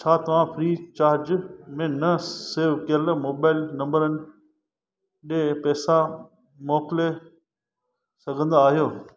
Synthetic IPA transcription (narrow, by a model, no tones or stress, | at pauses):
t͡ɕʰaːt̪ɐʋ̤ãpʰɾiːt͡ɕaːɾd͡ʑmẽnɐseːʋkəlmoːbaːɪlnɐ̃mbəɾənɪ̆ | ɗepɛːsã | moːkɪle | sɐɡʱə̃nd̪aaːɦijoː